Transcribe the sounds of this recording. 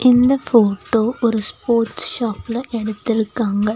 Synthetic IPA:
ʔind̪ɐfoːʈːoːʔoɾuspoːrʈsʃaːpːilɐʔeɽut̪ːiɭkːaːŋɡɐ

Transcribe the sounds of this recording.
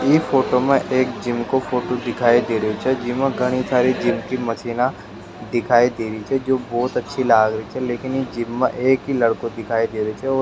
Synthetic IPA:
jiːfoːʈomẽʔeːkd͡ʒɪmkofoːʈod̪ɪkʰaːid̪eːɾəot͡ʃʰɛd͡ʒɪmẽɡʱɐɽ̃isaːɾid͡ʒɪmkimɐsiːna | d̪ɪkʰaːid̪eːɾit͡ʃʰɛd͡ʒoːbɔːt̪ɐtːʃʰilaːɡɾəit͡ʃʰɛleːkɪnid͡ʒɪmːḛ̃ʔeːkɦilɐɽkõd̪ɪkʰaːid̪eːɾəit͡ʃʰɛɔː

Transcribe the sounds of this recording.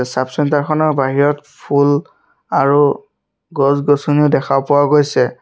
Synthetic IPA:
sapsɔntaɹkʰɔnɔɹbaɦiɹɔtpʰul | aɹu | ɡɔzɡɔsuniʊdɛkʰapʊwaɡojsɛ

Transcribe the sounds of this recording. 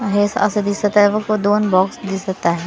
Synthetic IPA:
ɦeːsɐ̰səd̪iːsɐk̚t̪aɦɛʋɐkod̪oːnbɔːksd̪iːsɐkt̪aɦɛː

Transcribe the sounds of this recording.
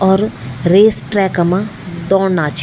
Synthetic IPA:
ɔːɾɾeːsʈɾɛːkəmãd̪ɔːɽnaːt͡ʃʰ

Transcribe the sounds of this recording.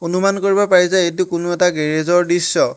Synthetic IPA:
onumankoɹibɔpaɹizajet̬ʊkʊnʊɛtaɡeɹezɔɹdisːɔ

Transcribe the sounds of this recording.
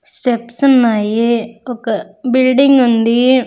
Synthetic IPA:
sʈepsənaːieokbɪlɖɪŋɡɦʊ̃nd̪iːe

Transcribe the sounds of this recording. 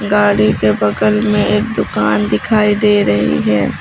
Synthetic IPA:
ɡaːɽikebɐɡəlmẽeːk̚d̪ʊkaːnd̪ɪkʰaːid̪eːɾɐɦḭɦɛː

